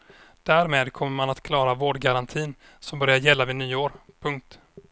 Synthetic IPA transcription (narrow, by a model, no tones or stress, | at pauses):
d̪̥æɾmeːd̪kʰɔmːəɾmanat̪kʰlɑːɾavoːɖɡaɾant̪ʰiːn | sɔmbœɾjaɾjɛlːavɪnyːoːɾpʰɵŋk̚t̪